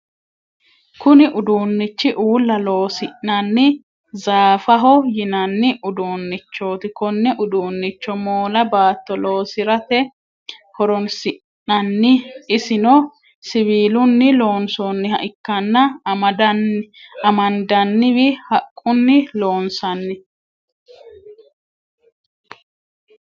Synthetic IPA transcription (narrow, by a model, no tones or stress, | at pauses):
kʊnɪʔʊd̪uːnːɪt͡ʃːɪʔuːlːɐlo̞ːsɪʔːɐnːɪ | zaːfɐɦɔjɪnɐnːɪʔʊd̪uːnːɪt͡ʃːo̞ːt̪ɪkɔnːɛʔʊd̪uːnːɪt͡ʃːɔmoːlɐbaːt̪ːɔloːsɪɾɐt̪ɛ | kɔɾɔnsɪ | nɐnːɪɪsɪnɔ | sɪβiːlʊnːɪlo̞ːnsoːnːɪhɐʔɪkːɐnːɐmɐdɐ | ɐmɐnd̪ɐnːɪβɪhɐkʼːʊnːɪlo̞ːnsɐnːɪ